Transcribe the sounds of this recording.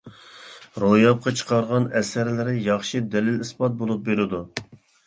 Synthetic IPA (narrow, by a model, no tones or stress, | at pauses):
ɾojɑp̚qʰɑt͡ʃʰə̥qʰɑɾʁɑnɛsæɾlɪɾɪjɑχʃid̪ɛlɪlispɑt̪̚bolˠup̚beɾɪd̪u